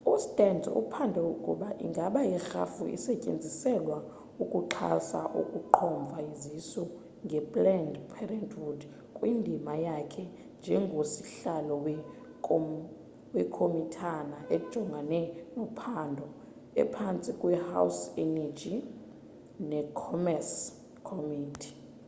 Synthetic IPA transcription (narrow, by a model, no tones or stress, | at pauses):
ustʼɛnd͡zʱɔ̰ṵpʰandʱɔwokʼṵɓaʔḭŋɡʱaɓajɛxa̰fṵḭsɛcʼḛnd͡zʱisɛlwa | ukʼuǃʰa̰sa̰ʔṵkʼuǃʰɔɱb̪vʱaizisɔ | ŋɡʱɛbʼlɛndpʰɛrɛntʰʼwud | kʼwindʱimajakʰɛ | nd͡ʒʱɛŋɡʱosi̥ɬalɔwɛ | wɛkʰomitʰanaʔe̥ʒ̥ʱɔŋɡʱanɛnɔpʰandʱɔ | ɛ̰pʰant͡sʼikʼwɛha̰wsɛnɛd͡ʒʱi | nɛkʰɔmɛrs | kʰomiːtʰi̥